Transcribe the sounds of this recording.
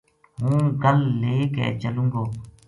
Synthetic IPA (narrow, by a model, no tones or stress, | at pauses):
ɦũːɡəlːeːkɛ̰ːt͡ʃəlũːŋɡoː